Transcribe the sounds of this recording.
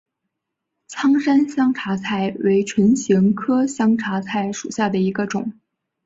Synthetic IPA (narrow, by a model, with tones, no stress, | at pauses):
t͡sʰɑ˥ŋʂa˥nɕjɑ˥ŋʈ͡ʂʰa˧˥t͡sʰa˥˩ɪwe˧˥ɪʈ͡ʂʰwə˧˥nɕji˧˥ŋkʰɤ˥ɕjɑ˥ŋʈ͡ʂʰa˧˥t͡sʰa˥˩ɪʂu˨˩ɕja˥˩d̪ə˩i˧˥ɡə˧ʈ͡ʂʊ̰˨˩˦ŋ